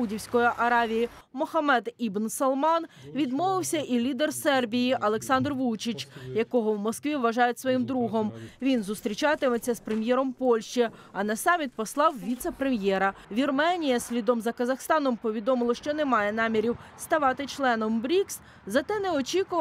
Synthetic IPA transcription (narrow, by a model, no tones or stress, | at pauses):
udʲiwsʲkɔjiʔɐɾɑʋʲiji | mɔxɐmɛd̪ibnsɐlˠmɑnʋʲid̪mɔʋɪwsʲɐʔilʲid̪ersɛrbʲijiʔɐlˠeksɑnd̪rʋut͡ʃit͡ʃjɐkɔɦɔwmɔskʋʲiʋːɐʒɑjʊtʲsʋɔjimd̪ɾuɦɔmʋʲinzʊst̪ɾʲit͡ʃɑt̪ɪmet͡sʲːɐspɾemʲjɛɾɔmpɔlʲʃt͡ʃiɐnɐsɑmʲit̪̚pɔslˠɑwʋʲit̪sɛpɾemjɛɾɐʋʲirmɛnʲijɐsʲlʲid̪ɔmzɐkɐzɐxst̪ɑnɔmpɔʋʲid̪ɔmɪlˠɔʃt͡ʃɔnemɑjɛn̪ɑmʲiɾʲiwst̪ɐʋɑt̪ɪt͡ʃlˠɛnɔmbɾʲiks | zɐt̪ɛnɛɔt͡ʃʲikʊʋ